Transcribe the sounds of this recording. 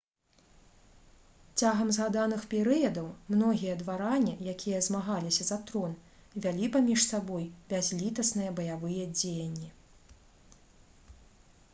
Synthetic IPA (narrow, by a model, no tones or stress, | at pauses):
t͡sʲaɣɐmzɣad̪anɨxpʲɛɾɨjɐd̪ɐwmnɔɣʲijɐd̪vaɾanʲijakʲijɐzmaɣalʲisʲɐzat̪ɾɔn | vʲalʲipamʲiʂsabɔjbʲazʲlʲit̪ɐsnɨjɛbɐjavɨjɐd͡zʲejɐnʲːi